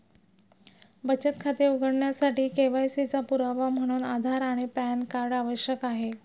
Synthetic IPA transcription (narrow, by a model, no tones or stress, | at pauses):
bət͡ɕət̪kʰat̪iːɾuɡəɽɳjasaʈiːkeʋajsit͡sapuɾaʋam̤əɽ̃uːnad̪ʱaɾaɽ̃ipænkaɾɖaʋəɕjəkaɦe